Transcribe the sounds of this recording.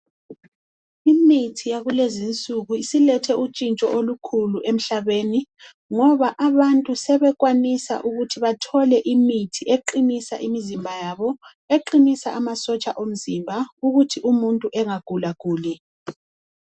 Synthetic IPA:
imitʰijaɣulezint͡sʼuɣuisilɛtʰɛut͡ʃʼint͡ʃʼɔ̰ʔolukʰuluʔem̩ɬaβeni | ŋɔβaʔaβantʼusɛβɛɣwanisa̰ʔuɣutʰiβatʰɔlɛʔimitʰieǃinisa̰ʔimizimbʱajaβɔ | eǃinisaʔamasɔt͡ʃʼaʔom̩zimbʱauɣutʰiʔumuntʼuʔɛŋaɡ̥ʱulaɣ̥ʱuːli

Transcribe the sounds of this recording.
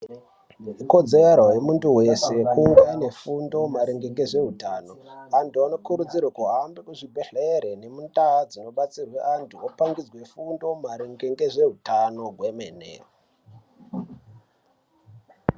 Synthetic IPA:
iko̞d͡zeaɾojemuntuwe̞se̞kuwaine̞fundo̞maɾiŋɡeŋɡe̞ʐe̞ɦutaːno̞antuano̞kuɾud͡zirwakuɦambekuʐibʱeɬeɾene̞mundad͡zino̞ɓat͡sirweʔantʰuopaŋɡid͡zwe̞fundo̞maɾiŋɡeŋɡe̞ʐe̞ɦutano̞ɡʱwe̞meːnḛ

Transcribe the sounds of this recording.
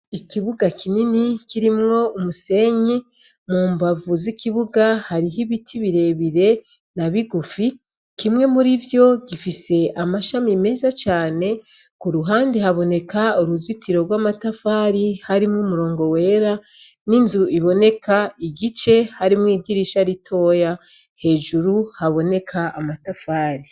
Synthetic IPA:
ikiβuɡakʰininikiɾimŋo̞umuse̞ɲi | muːmbavuzikiβuɡahaɾiɦiβitʰiβiɾe̞βiɾe̞ | naβiɡufi | kimŋe̞muɾivjo̞ɡifise̞amaʃamime̞ːzat͡ʃaːne̞ | kuɾuɦaːndehaβo̞ne̞kauɾuzitʰiɾo̞ɡwaːmatafaːɾihaɾimŋumuɾo̞ːŋɡo̞we̞ːɾa | ninzuiβo̞ne̞kaiɡit͡ʃe̞haɾimŋiːdiɾiʃaɾitʰo̞ːja | he̞ːʒuɾuhaβo̞ne̞kʰaːmatafaːɾi

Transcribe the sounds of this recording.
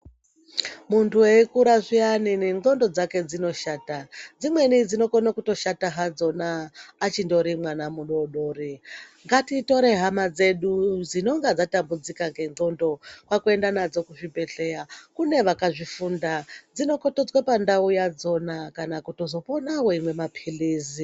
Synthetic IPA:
muntʰuweikuɾaʐianineno̞ndo̞d͡zake̞d͡zino̞ʃaːtad͡zimwe̞nid͡zino̞konakuto̞ʃataɦad͡zo̞naːt͡ʃindo̞ɾimwanamuɗo̞ɗo̞ːɾiŋɡatito̞ɾe̞ɦamad͡ze̞ɗud͡zino̞ŋɡad͡zatambud͡zikaŋɡe̞no̞ndo̞kwakue̞ndanad͡zo̞kuʐibe̞ɬe̞akune̞ʋakaʐifundad͡zino̞kotod͡zwapandaujad͡zo̞nakanakuto̞zo̞ponaweimwe̞mapʰiliːzi

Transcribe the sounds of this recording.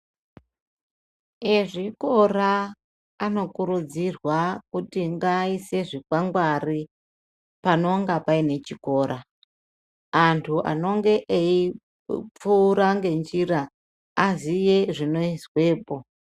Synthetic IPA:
eʐiko̞raː | no̞kuɾud͡zirwakutiŋɡaise̞ʐikwaŋɡwari | pano̞ŋɡapaine̞t͡ʃiko̞ːɾʔa | antʰuʔa̰no̞ŋɡe̞ʔei | p͡fuːɾaŋɡe̞nd͡ʒiraː | zije̞ʐino̞izwe̞ːpo̞

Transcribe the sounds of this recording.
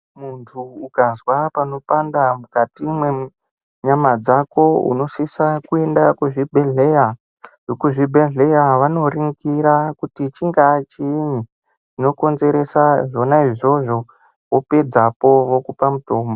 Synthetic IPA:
muntʰuːukazwapano̞pandamukatimwe | ɲamad͡zako̞ṵno̞sisakue̞ndakuʐibʱeɮeja | ʐokuʐibʱeɮe̞jaʋano̞riŋɡiɾakutit͡ʃiŋɡat͡ʃiːɲi | t͡ʃino̞ko̞nze̞ɾe̞saʐo̞naiʐo̞ʐo̞ | wope̞d͡zapo̞ʋo̞kupamuto̞ːmbo

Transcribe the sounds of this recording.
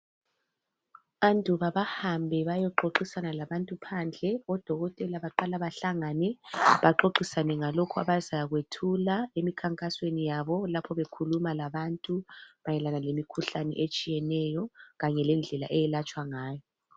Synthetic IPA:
andʱuβaβahambʱɛβajɔǃoǃisanalaβantʼupʰand͡ɮʱɛɔd̥ʱɔɣɔtʼɛlaβaǃalaβaɬaŋanɛβaǃoǃisanɛŋalokʰua̰βazaɣwetʰulaemikʰaŋkʼaswenijaβɔlapʰɔβekʰulumalaβantʼuβajɛlanalemikʰuɬanɛ̰ʔet͡ʃʼijɛnɛjɔɣaɲɛlɛnd͡ɮʱɛlaʔɛjɛlat͡ʃʼwaŋaːjɔ

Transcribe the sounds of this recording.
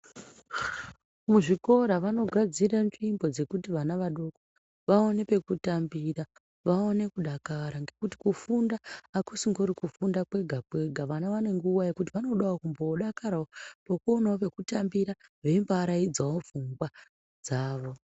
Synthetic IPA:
muʐiko̞ɾaʋano̞ɡʱad͡ziranʐimbo̞d͡ze̞kutiʋanaʋaɗo̞ko | ʋao̞ne̞pe̞kutambira | ʋao̞ne̞kuɗakaɾaŋɡe̞kuti̥kufundaːkusiŋɡo̞ɾikufundakwe̞ɡʱakwe̞ɡʱaʋanaʋane̞ŋɡuʋaje̞kut̬iʋano̞ɗawokumbo̞ɗakaɾaopokuonaope̞kutambiɾaʋe̞mbaɾaid͡zaofuŋɡwa | d͡zaːʋo̞

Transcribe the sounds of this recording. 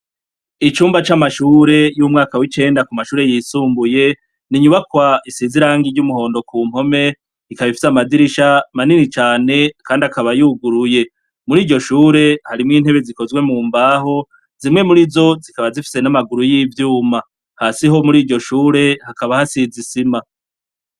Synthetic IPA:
it͡ʃuːmbat͡ʃamaʃuːɾe̞jumŋaːkawit͡ʃe̞ːndakumaʃuːɾe̞jiːsuːmbuje̞ | niɲuβakwaisiziɾaːŋɡiɾɟumuɦo̞ːndo̞kuːm̥o̞me̞ | ikaβifi̥samadiɾiʃamaninit͡ʃaːne̞kʰaːndiakaβajuɡuɾuje̞ | muɾiːɟo̞ʃuːɾe̞haɾimŋiːn̥he̞βe̞ziko̞zɡwe̞muːmbaːɦo̞ | zimŋe̞muɾizo̞zikaβazifi̥se̞namaɡuɾujivjuːma | hasiɦo̞muɾiːɟo̞ʃuːɾe̞hakaβahasizisima

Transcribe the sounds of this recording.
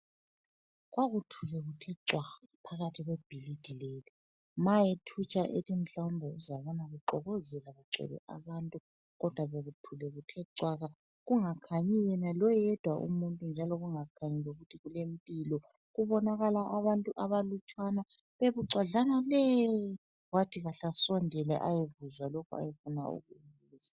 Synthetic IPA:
ɣwaɣutʰulɛɣutʰɛǀwaɣapʰaɣatʰiɣweb̥ʱilid̥ʱileli | majetʰut͡ʃʰʼaʔetʼʰim̩ɬaumbʱɔuzaβɔnaɣuǀɔɣɔzɛlaɣuǀɛ̰βɛ̰ʔa̰βaːntʼu | ɣɔd̥ʱwaβeɣutʰulɛɣutʰɛǀwaɣa | ɣuŋakʰaɲijɛnalɔjɛd̥ʱwaʔṵmuntʼund͡ʒʱalɔɣuŋakʰaɲiloɣutʰiɣulempʼilɔ | ɣuβɔnaɣalaʔaβantʼuʔaβalut͡ʃʼwana | βeβuǀaɮanaleji | watʰiɣaɬasɔndʱɛlɛ̰ʔajevuzwalɔkʰɔa̰jefuna̰ṵɣuβiza

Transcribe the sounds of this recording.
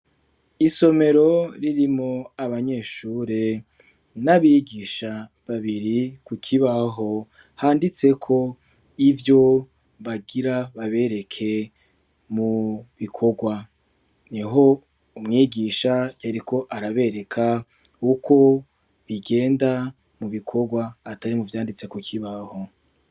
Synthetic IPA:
iso̞me̞ɾo̞ɾiɾimŋo̞aβaɲe̞ʃuːɾe | naβiɡiːʃa | βaβiɾikukʰiβaɦo̞ | haːndit͡se̞kʰo̞ | ivjo̞ | βaɡiɾaβaβe̞ːɾe̞kʰe̞ | muβikʰo̞ɡwa | niɦo̞ | umŋiːɡiʃajaɾikʰo̞ʔaɾaβe̞ɾe̞kʰa | ukʰo̞ | βiɡe̞ːnda | muβikʰo̞ɡwaːtaɾimuvjaːndit͡se̞kukʰiβaho̞

